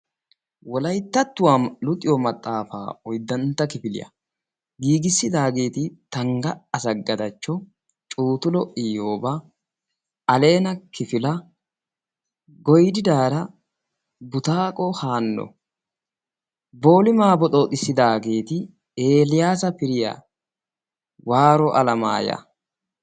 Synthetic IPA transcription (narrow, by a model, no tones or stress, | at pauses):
wɔlɐjt̪ːɐt̪ːʊwaːmlʊt̪ʼɪjɔmɐt̪ʼːaːfa̰ːɔjd̪ɐnt̪ːɐkɪfɪlɪ̰jɐ̰ | ɡiːɡɪsːɪd̪aːɡe̞ːt̪ɪt̪ɐŋɡɐɐsɐɡɐd̪ɐt͡ʃːɔ | t͡ʃʼuːt̪ʊlɔʔɪjoːbɐ | ɐle̞ːnɐkɪfɪlɐ | ɡɔjd̪ɪd̪aːɾɐ | bʊt̪aːkʼɔhaːnːɔ̰ | bo̞ːlɪmaːbɔtʼoːt̪ʼɪsːɪd̪aːɡe̞ːt̪ɪ | eːlɪjaːsɐpɪɾɪja̰ː | waːɾɔʔɐlɐma̰ːjɐ̰